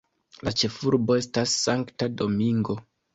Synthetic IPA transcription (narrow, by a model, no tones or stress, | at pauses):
lat͡ʃe̞fuɾbo̞e̞stasːaŋktado̞miŋɡo̞